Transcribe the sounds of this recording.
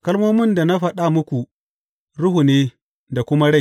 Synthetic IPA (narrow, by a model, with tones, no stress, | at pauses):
kɐ˦lmoː˦mɪ˦nda˨na˦ɸɐ˦ɗa˦mʊ˦kʷu˨ | ɽʊ˦ɦu˨neː˦ | da˨kʷʊ˦ma˦ɽa˦j